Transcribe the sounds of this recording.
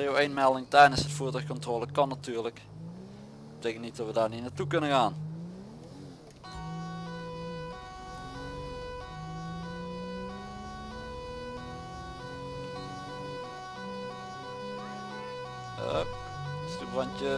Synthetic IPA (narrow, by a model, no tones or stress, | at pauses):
eowenmɛlˠdɪŋtɛjdənsɦətfuːtɔxkɔntroːləkɑnːatyːɹlək | bətejkəntnit̚dɔtʋədaːɹninaːtukɵnəɣaːn | ə̰ | stubrɑntə